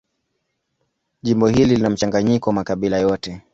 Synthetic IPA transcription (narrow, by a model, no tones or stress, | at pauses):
ʄimbɔɦililinam̩t͡ʃaŋɡaɲikɔwamakaɓilajɔtɛ